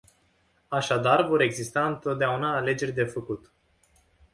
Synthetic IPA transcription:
aʃad̪arvo̞ɾe̞ɡzist̪aɨnt̪o̞t̪̚d̪eaunaːle̞d͡ʒe̞rʲd̪e̞fəkut̪

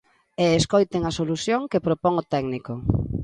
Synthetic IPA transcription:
eːskojt̪eŋɐsoluθjoŋkepɾopɔŋot̪ɛɡniko

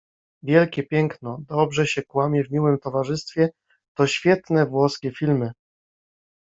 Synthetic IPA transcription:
vʲjɛlkʲɛpʲjɛŋknɔd̪ɔbʐɛɕɛkwamʲjɛvmʲiwɘmt̪ɔvaʐɘst̪fʲjɛ | t̪ɔɕfʲjɛt̪nɛvwɔskʲɛfʲilmɘ

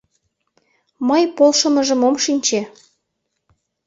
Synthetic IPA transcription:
mɤjpolʃə̆mə̆ʒə̆momʃinʲt͡ɕe

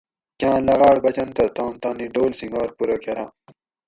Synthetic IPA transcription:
kʲãːlɐɣaːɽbɐt͡ɕɐnt̪ɐt̪ãːmt̪aːniɖoːlsiŋɡaːɾpuɾokɐɾã̰ː

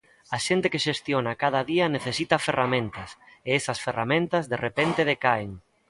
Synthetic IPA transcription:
ɐʃent̪ekeʃest̪jonɐkað̞ɐðiɐneθesit̪ɐferamẽnt̪ɐseɛsɐsferamẽnt̪ɐzðerepent̪eðekaeŋ

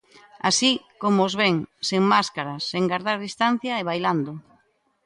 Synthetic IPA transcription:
a̰sikomoozβeŋseŋmaskaɾaseŋɡaɾðaɾðist̪an̟θjaeβ̞ajland̪ʊ

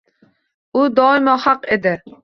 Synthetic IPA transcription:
ʊd̪ɒɪmɒhɑqed̪ɪ

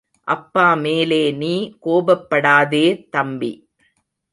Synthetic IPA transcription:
ʔɐpːaːmeːleːniːkoːbɐpːɐɽaːðeːt̪ɐmbḭ

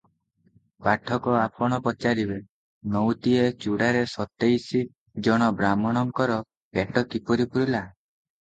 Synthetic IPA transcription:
paʈʰɔkɔapɔɽ̃ɔpɔt͡ʃaɾibe | nɔwt̪iet͡ʃuɽaɾesɔt̪ejsi | d͡ʒɔɽ̃ɔbɾamɔɽ̃ɔŋkɔɾɔ | keʈɔkipɔɾipuɾila

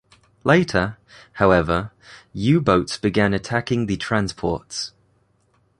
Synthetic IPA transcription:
leɪtʰə | haʊɛvə | jʉːbəʊtsb̥ɪɡãnətʰakɪ̃ŋðətʰɹ̥ãnspʰɔ̰ˑts

